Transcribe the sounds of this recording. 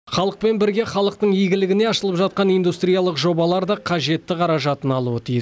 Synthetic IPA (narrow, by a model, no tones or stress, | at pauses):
χɑlˠəq̚pe̞nbɪɾɡʲe̞χɑlˠəq̚t̪əɴiɡʲɪlɪɡʲɪne̞ɑʃəlˠəpʒɑt̪̚qɑnijnd̪ust̪ɾijalˠəqʒo̞bɑlˠɑɾd̪ɑqʰɑʒe̞t̪ːɪqʰɑɾɑʒɑt̪ənɑlˠuət̪ʰijɪs